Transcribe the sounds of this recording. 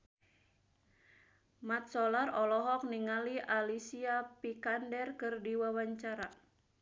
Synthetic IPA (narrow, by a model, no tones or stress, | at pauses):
mat̪̚sɔlarɔlɔɦɔk̚niŋaliʔalisiapikandɛrkɨrdiwawaɲt͡ʃaɾa